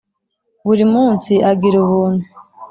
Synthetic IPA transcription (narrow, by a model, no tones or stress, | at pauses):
βuɾimuːnsiʔaɡiɾuβuːnu